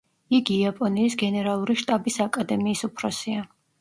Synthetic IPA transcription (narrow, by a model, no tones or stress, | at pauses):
iɡiːapʼɔniːsɡɛnɛɾalˠuɾiʃt̪ʼabisakʼad̪ɛmiːsupʰɾɔsia